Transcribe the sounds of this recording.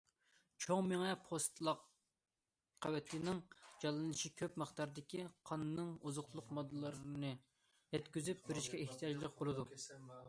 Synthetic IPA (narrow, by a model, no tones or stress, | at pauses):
t͡ʃʰoŋmeŋɛpʰost̪lˠɑq | qʰːɑwɛt̪ʰɪnɪŋd͡ʒɑlˠɨnɨʃikʲʰøpmɨχt̪ɑɾd̪ɪkʲiqʰɑnːɨŋuzʊχt̪ʰlˠʊqmɑd̪ːɨlˠɑɾnɨ | jɛt̪kʲyzyp̚bɪɾɪʃkʲɛeht̪ʰijɑd͡ʒlˠək̚ʲbolˠɨd̪u